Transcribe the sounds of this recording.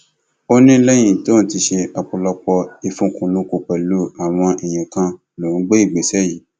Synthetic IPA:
o˦nĩ˦lɛ˦j̃ĩ˦˨to˦˨ti˧ʃe˧a˨k͡pu˧lɔ˧k͡pɔ˧i˧fũ˧˦kũ˧˨lũ˦ku˧k͡pɛ˨lo˦a˨w̃ɔ̃˧ʔi˨j̃ĩ˨kã˧ | lo˨ũ˨˦ɡ͡be˦i˦˨ɡ͡be˨sɛ˦ji˨˦

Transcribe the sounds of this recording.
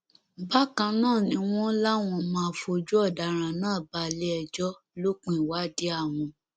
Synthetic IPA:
ba˦kã˧nãː˦˨nĩ˧w̃ɔ̃˦la˦w̃ɔ̃˧mãː˦˨fo˧d͡ʒu˦ɔ˦˨da˨˦ɾ̃ã˨nãː˦˨ba˨le˦ɛ˧d͡ʒɔ˦ | lo˦k͡pĩ˨wa˦de˦a˦˨w̃ɔ̃˧

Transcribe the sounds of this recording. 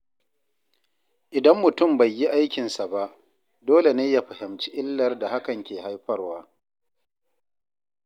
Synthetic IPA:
ʔɪ˨dɐ˦mːʊ˨tʊ˦˨mba˨jːi˦ʔa˦jkʲɪ˨nsa˨ba˦ʔ | doː˦le˨neː˦ja˦ɸɐ˨ɦɪ˨mt͡ʃi˦ʔɪ˦lːɐ˨rda˨ha˦kɐ˨ŋkʲeː˨ɦa˦jɸɐ˦rwaː˦

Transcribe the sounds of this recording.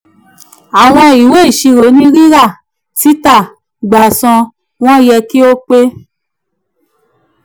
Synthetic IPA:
a˨w̃ɔ̃˧i˨we˦i˦˨ʃi˧ɾo˨˦nĩ˦ɾi˦ɾa˦˨ | ti˦ta˦˨ | ɡ͡ba˨sɔ̃˧ | w̃ɔ̃˦jɛ˧ki˦o˦k͡pe˦

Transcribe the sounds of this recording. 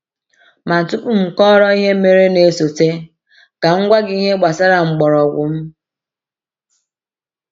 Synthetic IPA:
ma˨n̩˨tʊ˦ku˦m̩˨kɔ˦ɾɔ˦i˦ɦe˦me˨ɾe˦ne˨so˨te˦ | ɡ̥a˨ŋ̩˦ɡʷa˦ɡɪ˦i˦ɦe˦ɡ͡ba˨sa˦ɾa˨ŋ͡m̩˨ɡ͡bɔ˨ɾɔ˨ɡʷʊ̰˨m̩˦

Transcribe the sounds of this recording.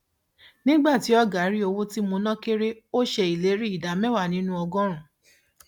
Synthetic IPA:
nĩ˦ɡ͡ba˦˨ti˨˦ɔ˦ɡa˨˦ɾi˦o˧wo˦ti˦mõ˧nã˦ke˦ɾe˦o˦ʃe˧i˨le˨˦ɾi˦i˦˨da˨mɛ̃˦wa˦˨nĩ˦nũ˦ɔ˧ɡɔ̃˦ɾ̃ũ˨

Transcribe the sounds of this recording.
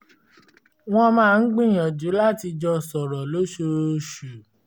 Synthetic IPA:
w̃ɔ̃˦mãː˦˧n̩˦ɡ͡bĩ˦˨j̃ɔ̃˨d͡ʒu˨˦la˦ti˧d͡ʒɔ˧sɔ˨ɾɔ˨lo˦ʃo˧ɾʃu˨

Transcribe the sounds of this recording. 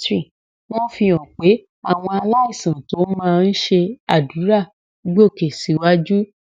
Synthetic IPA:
ɾi˦˨ | w̃ɔ̃˦fĩ˧j̃ɔ̃˨k͡pe˨˦ | a˦˨w̃ɔ̃˧a˧la˦i˦˨sã˨to˨˦mãː˦˧n̩˦ʃe˧a˨du˨˦ɾa˦˨ | ɡ͡bo˦˨ke˨si˨˦wa˦d͡ʒu˦

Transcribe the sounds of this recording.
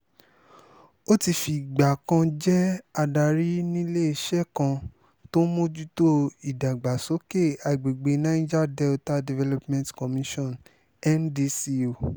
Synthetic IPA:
o˦ti˧fi˨ɡ͡ba˨kã˧d͡ʒɛ˦a˧da˧˨ɾi˦nĩ˦le˦i˦˨ʃɛ˦kã˧ | to˦mõ˦d͡ʒu˦to˦i˨da˨ɡ͡ba˨so˨˦ke˦˨a˨i˨ɡ͡be˨ɡ͡be˨nã˦ĩ˦d͡ʒa˦dɛ˦ta˦di˨vɛ˦lɔ˦pmɛ̃˨ntkɔ˨mĩ˦ʃɔ̃˦˨n | ɛ˦ndi˦si˦o˨

